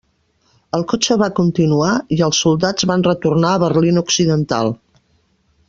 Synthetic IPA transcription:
əlˠkot͡ʃəβakunt̪inuaiəlˠsːulˠd̪ad͡zβanrət̪urnaəβərlinuksiðənt̪a̰lˠ

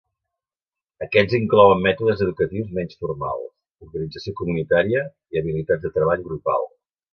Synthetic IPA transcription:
əkɛziŋklɔwəmːɛt̪uðəzəðukət̪iwzmɛnsfurma̰lˠs | uɾɣənid͡zəsiokumunit̪aɾiə | iəβilit̪add͡zd̪ət̪ɾəβaʎɣɾupa̰lˠ

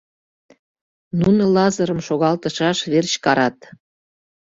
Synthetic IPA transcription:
nunolɑzəɾəmʃoɣɑlt̪əʃɑʃβert͡ɕkɑɾɑt̪

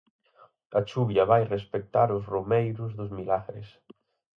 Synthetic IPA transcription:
ɐt͡ʃuβjɐβajrespek̚t̪aɾʊsromejɾʊzðʊzmilaɣɾɪ̰s

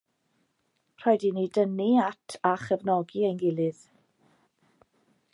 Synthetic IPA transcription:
pʰr̥ɔjdinidəniatʰaχəvnɔɡiejnɡɪlˠɨð̥

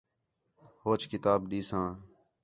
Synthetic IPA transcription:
hoːt͡ʃkɪt̪aːbɗiːsãː

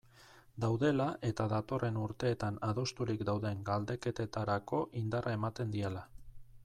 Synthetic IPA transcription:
d̪awðe̞laʔe̞t̪aðat̪o̞re̞nuɾt̪e̞ːt̪anaðo̞st̪uɾikd̪awðe̞ŋɡald̪e̞ke̞t̪e̞t̪aɾako̞ʔind̪arʔae̞mat̪e̞nd̪iela

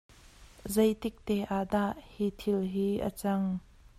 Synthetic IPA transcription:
zɐjt̪ɪk̚t̪ɛʔad̪aʔhiːt̪ʰɪlɦiːʔə̰t͡sɐŋ

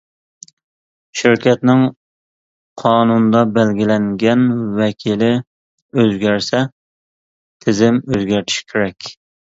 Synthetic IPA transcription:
ʃiɾkʲʰɛt̪nɪŋ | qʰɑːnunɨd̪ɑbælɡʲilɛŋɡʲɛnwɛkʲʰilɪ | øzɡʲæɾsɛ | t̪ʰɪzɪmøzɡʲæɾt̪ʰɪ̥ʃi̥kʲʰeɾɛkʲ

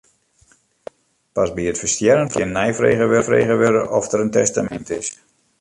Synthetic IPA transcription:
pasbiətfəstjɛɾənkʰɪnːɛjfrḛːɣəʋørfrḛːɣəʋøɾəʔɔfdəɾəntɛstamɛ̰ntɪs

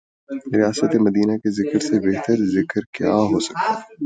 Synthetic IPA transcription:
ɾijaːsət̪emɐd̪iːnakezɪkəɾsebɛɦt̪əɾzɪkəɾkja̰ːɦosɐ̥k̚t̪aɦɛ

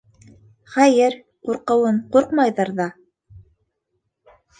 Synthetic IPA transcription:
χæjɘɾ | quɾqɤ̆wɤɴquɾqmɑjðɑɾðɑ

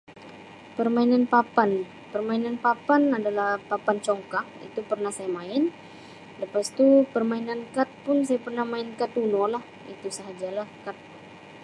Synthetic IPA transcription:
pərmainanpapan | pərmainanpapanadalahpapant͡ʃɔŋkakḭt̪upərnahsajamaɪn | ləpast̪upərmainankat̪̚pʊnsajapərnahmaɪnkat̪unɔlah | ḭt̪usəɦad͡ʒalahkat̪̚

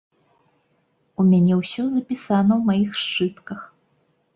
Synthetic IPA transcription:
umʲanʲɛwsʲɔzɐpʲisanɐwmajixʂt͡ʂɨt̪kɐx

